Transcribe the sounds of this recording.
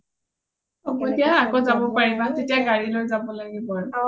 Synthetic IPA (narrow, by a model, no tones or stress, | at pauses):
ɔbɔtiaakozabɔpaɹibatetiaɡaɹilojzabɔlaɡibɔa